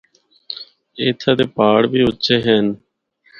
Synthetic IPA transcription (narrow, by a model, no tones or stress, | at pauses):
eːt̪ʰaːd̪eːpaːɽbiːʊtːʃeːɦən